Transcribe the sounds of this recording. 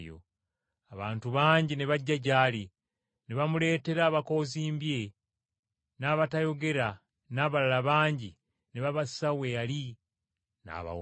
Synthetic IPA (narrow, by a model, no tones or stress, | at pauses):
jo̰ | aβaːntuβaːɲɟineβaɟːaɟaːli | neβamule̞ːte̞ɾaːβako̞ːziːmbje̞ | naːβatajo̞ɡe̞ɾa | naːβalalaβaːɲɟi | neβaβassawejali | na̰βa̰